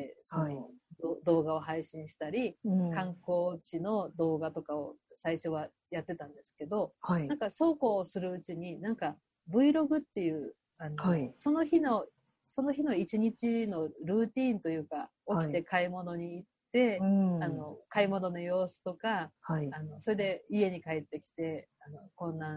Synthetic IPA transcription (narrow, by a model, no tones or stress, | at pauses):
esonod̪od̪o̞ːɡao̞ɦaiɕĩɰ̃ɕi̥t̪aɾʲikãŋko̞ːt͡ɕino̞d̪o̞ːɡat̪o̞kao̞̰saiɕo̞β̞a | jat̪ːe̞t̪ãnd̪e̞sɨ̥ke̞d̪o̞hainãŋkaso̞ːko̞ːsɨɾɯ̟ɯt͡ɕiɲ̟inãŋka | bɯ̟iɾo̞ɡɯ̟t̪ːe̞jɯ̟ː | anoso̞no̞çino̞ | so̞no̞çino̞it͡ɕiɲ̟it͡ɕino̞ɾɯ̟ːt̪ʲiːnt̪o̞jɯ̟ːka | o̞kʲit̪e̞kaimo̞no̞ɲ̟iːt̪ːe̞ano̞kaimo̞no̞no̞jo̞ːsɨ̥t̪o̞kahano̞so̞ɾe̞d̪e̞ie̞ɲ̟ikae̞t̪ːe̞kʲi̥t̪e̞ | ano̞kõ̞nːa